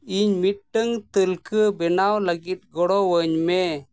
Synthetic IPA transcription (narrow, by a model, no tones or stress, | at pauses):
iɲmit̪̚ʈəŋt̪əlkəbɛnawləɡit̪̚ɡɔɽɔwəɲmɛ